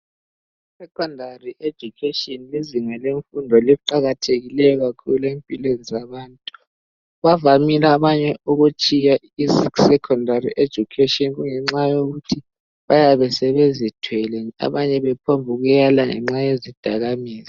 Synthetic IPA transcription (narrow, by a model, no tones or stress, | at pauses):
isɛkʰɔndʱariʔe̥d͡ʒ̥ʱukʰetʼiɔnliziŋɛleɱfundʱɔliǃaɣatʰeɣilɛjɔɣakʰṵluempʼilwenizaβaːntʼu | βavamilaβaɲɛʔuɣut͡ʃʼija | isisɛkʰɔndʱarḭʔe̥d͡ʒ̥ʱukʰetɔnɣuŋɛŋ͡ǁajoɣutʰi | βajaβɛsɛβezitʰwɛlenia̰βaɲɛβɛpʰombʱuɣɛlaŋɛ̰ŋ͡ǁajezid̥ʱaɣamiːzi